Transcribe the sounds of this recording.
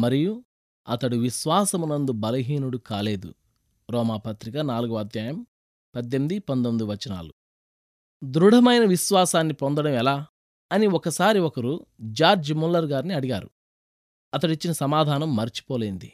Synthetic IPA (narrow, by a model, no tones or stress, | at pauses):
mɐɾiju | ɐt̪ɐɽuʋiʃʋaːsɐmunːɐnd̪ubɐlɐɦiːnuɽukaːle̞ːd̪ṵ | ɾɔːmaːpɐt̪ɾikɐnaːluɡuɐd̪jaːjɐm | pɐd̪ːemd̪ipɐnd̪omid̪uʋɐt͡ʃːina̰ːlu | d̪ɾuɽ̤ʱɐmɐjnɐʋiʃʋaːsaːnːipond̪ɐɽɐmɛlaː | ɐniɔkɐsaːɾiɔkɐɾud͡ʒaːɾd͡ʒmulːɐɾɡaːɾniɐɽiɡaːɾu | ɐt̪ɐɽit͡ʃːinɐsɐmaːd̪ʱaːnɐmːɐɾit͡ʃi̥pɔːleːnd̪ḭ